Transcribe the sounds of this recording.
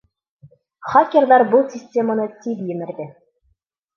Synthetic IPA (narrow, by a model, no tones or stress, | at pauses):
χɑkʲːĕrðɑɾbulˠsʲɪsʲtʲemənɤt̪ʲibjɘ̆mɘ̆ɾd̪ɘ